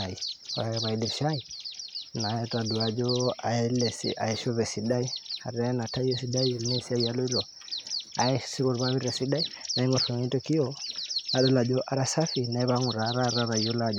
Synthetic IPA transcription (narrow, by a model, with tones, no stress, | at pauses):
a˨i˨ɔ̰˨ɾa˨ɛ˦βa˨i˦di˨ɾʃa˦i˨na˨jɛ˦ta˨du˨a˨d͡ʒɔ˦a˨ɛ˦lɛ˨sḭ˨ʔa̰˨ɛ˨ʃɔ˦βɛ˨si˨da˦i˦a˨ɾɛ˦na˨ta˦i˦ɛ˦si˦da˦i˦nɛ˦si˦a˦ia˦lɔ˦i˦ɾɔ˨ | a˨ɛ˦si˦βɔ˨ɾβa˦βi˦ɾɛ˨si˦da˦i˦na˨˦i˦ŋɔ˨fɔ˨ŋi˦tɔ˦ki˦jɔ˦na˨dɔ˦la˨d͡ʒɔ˦ʔa˦ɾa˨sa˦fi˨na˨˦βa˦ŋu˨ɾa˨˦ɾa˦ɾa˦ɾa˨ijo˦la˨d͡ʒ